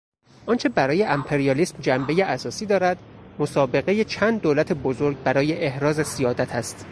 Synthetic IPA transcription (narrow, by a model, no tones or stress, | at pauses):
ʔɒːnt͡ʃʰe̞bæɾɒːje̞ʔæmpʰe̞ɾijɒːliːsmd͡ʒæmbe̞jeʔæsɒːsiːd̪ɒːɾæd̪mosɒːbe̞ɣe̞jet͡ʃʰænd̪̚ːolæt̪ʰebozoɾɡbæɾɒːje̞ʔehɾɒːzesijɒːd̪æt̪ʰæst̪